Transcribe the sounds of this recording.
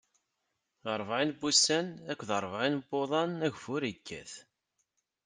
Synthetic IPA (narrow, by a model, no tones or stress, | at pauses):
əɾˤvʕinbusænækʷːðəɾˤvʕinbːoðˤɑnæʝfʊɾikʰːæ̰θ